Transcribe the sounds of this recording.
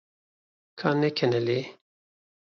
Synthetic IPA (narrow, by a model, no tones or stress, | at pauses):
kʰanɛkʰɛnɛle